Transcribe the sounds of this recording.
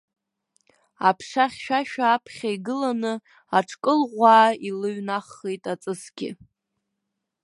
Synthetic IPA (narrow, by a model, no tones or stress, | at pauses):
apʰʂaχʲʃᶣaʃᶣaːpʰχʲaiɡɨlanɨ | aʈ͡ʂʰkʼɨlʁʷaːilɨɥnaχːejtʼat͡sʼɨsɡʲɪ̰